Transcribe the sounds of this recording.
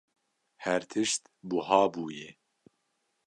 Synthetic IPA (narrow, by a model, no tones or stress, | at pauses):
hɛɾt̪ʰɨʃt̪ | buhɑːbuːje